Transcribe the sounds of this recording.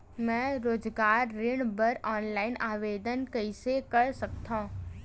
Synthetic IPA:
mɛ̃ːɾoːd͡ʒɡaːɾːɪɽbəɾɔːnlaːɪnʔaːʋeːd̪ənkəɪsekəɾsɐkt̪ãː

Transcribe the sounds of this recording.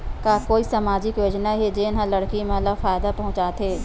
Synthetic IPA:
kakoːisɐmaːd͡ʒɪkjoːd͡ʒnaɦed͡ʒeːnɦãlɐɽkimẽlafaːɪd̪apɐɦʊ̃t͡ʃaːt̪ʰeː

